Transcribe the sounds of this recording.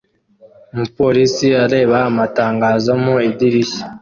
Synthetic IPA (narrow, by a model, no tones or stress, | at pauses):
mupo̞ɾisiaɾe̞ːβaːmataːŋɡaːzomuidiɾiçi̥